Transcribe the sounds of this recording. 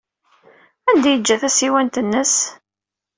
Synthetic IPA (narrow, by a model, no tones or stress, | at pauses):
ænd̪æjəd͡ʒːæθæsiwænt̪ənːəs